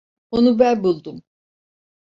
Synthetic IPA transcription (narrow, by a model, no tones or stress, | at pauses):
onubænbulˠd̪um